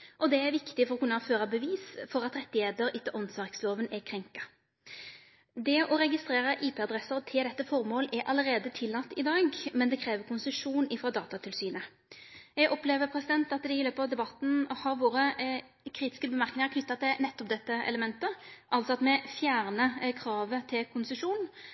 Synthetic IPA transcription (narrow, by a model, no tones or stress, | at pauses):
ʔɔd̪ɛæɾʋɪkt̪ɪfɔʁɔkʉnːɑføːʁɑbəʋiːsfɔʁɑt̪ɾɛt̪ːɪheːt̪əɾɪt̪ːəʔɔnsʋɑʁksloːʋənɛkʰɾɛŋkɑ | d̪ɛʔɔɾɛɡɪst̪ɾeːʁəʔiːpʰeːɑd̪ɾɛsəʁt̪ʰɪld̪ɛt̪ːəfɔʁmoːlæɾʔɑ̰ləɾeːd̪ət̪ʰɪlːɑt̪ːɪd̪ɑːɡmɛnd̪ɛkʰɾeːʋəɾkʰʊnsəʂuːnɪfʁɑd̪ɑːt̪ɑt̪ʰɪlsyːnə | jɛɡʔɔpleːʋəpʰʁɛsɪd̪ɛnt̪ɑt̪d̪ɛɪløːpɑʋd̪ɛbɑt̪n̩hɑʁʋoːɾə | kʰɾiːt̪ɪ̥skəbəmæɾknɪŋəʁkʰnʏt̪ːɑt̪ɪnɛt̪ːɔp̚d̪ɛt̪ːəɛ̰ləmɛnt̪əʔɑlt̪sɔɑt̪mɛfjæːʁnəkʰɾɑːʋət̪ʰɪlkʰʊnsəʂuːn